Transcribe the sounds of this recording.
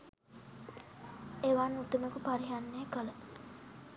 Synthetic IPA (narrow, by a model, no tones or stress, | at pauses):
eʋanut̪uməkupaɾiɦanːeːkələ